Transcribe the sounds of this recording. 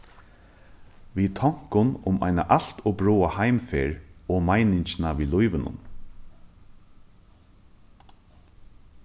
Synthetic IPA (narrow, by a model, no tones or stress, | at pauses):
ʋiːt̪ʰɔŋ̥kʊnʊma̰jna̰ʔal̥t̪ʰɔbɹuːahajmfeːɹɔːmajnɪɲt͡ʃnaʋiːlʊjʋɪnʊ̰n